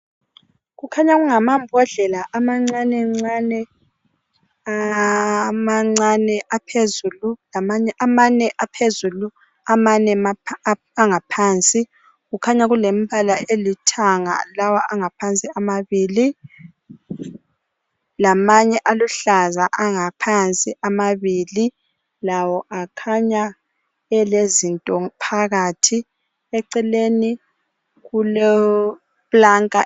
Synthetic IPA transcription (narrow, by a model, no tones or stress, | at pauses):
ɣukʰaɲaɣuŋamambʱɔɮɛlaʔamaŋ͡ǀanɛŋ͡ǀanɛ | a | maŋ͡ǀanɛʔapʰezululamaɲɛamanɛʔapʰezulu | amanɛma | aŋapʰaːnt͡sʼi | ɣukʰaɲaɣulem̩bʱalaelitʰaŋa̰lawaaŋapʰant͡sʼiamaβiːli | lamaɲɛʔaluɬazaʔaŋapʰant͡sʼiʔamaβili | lawɔʔakʰaɲa | ɛlezintʼɔpʰaɣatʰi | ɛǀɛleni | ɣulɔ | βlaŋkʼa